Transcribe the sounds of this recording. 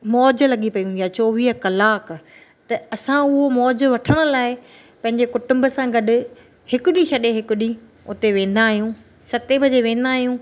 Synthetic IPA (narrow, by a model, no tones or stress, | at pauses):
mɔːd͡ʑʊ̆lɐɠipɐiũijat͡ɕoːʋiːɦəkɐlaːk | t̪ɐɐsãʊɦomɔːd͡ʑʋɐʈʰəɽ̃ʊ̆laːɪ | pɐ̃ɦɪ̃ɲd͡ʑekʊʈʊ̃mbəsãɡɐɗʊ̆ | hɪkʊɗĩʃɐɗeɦɪkʊɗi | ʊ̰t̪eʋẽːn̆d̪aːɦijũ | sɐt̪ebʱɐd͡ʑeʋẽːn̆d̪aːɦijũ